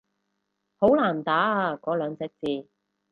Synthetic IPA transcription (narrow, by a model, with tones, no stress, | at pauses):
ho˨˥wlaː˨˩nt̪aː˨˥a˧kɔː˨˥lœː˨˧ŋt͡sɛː˨˧˥k̚t͡siː˨˧